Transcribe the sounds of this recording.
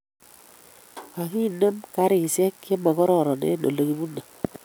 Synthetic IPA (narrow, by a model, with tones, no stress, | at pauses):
a˨ki˦˨nə˦mka˦ɾi˨sɛ˦kːe˦ma˨kɔ˦ɾɔ˨ɾɔ˨nɛ̰˦no̰˨lo˨ki˦bu˦na˨